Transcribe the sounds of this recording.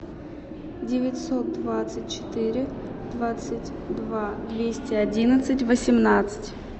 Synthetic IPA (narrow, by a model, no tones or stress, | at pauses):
dʲɪvʲɪtʲsot̪̚d̪vat̪sɨt̚ʲt͡ɕɪ̥t̪ɨɾʲɪ | d̪vat̪sɨtʲ | d̪vad̪vʲesʲtʲɪɐdʲinət̪sɨtʲvəsʲɪmnat̪sɨ̥tʲ